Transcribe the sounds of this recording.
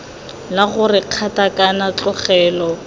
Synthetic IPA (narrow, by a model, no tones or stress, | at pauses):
laɣʊrɪq͡χʰatakʼanat͡ɬʼʊχɛːlɔ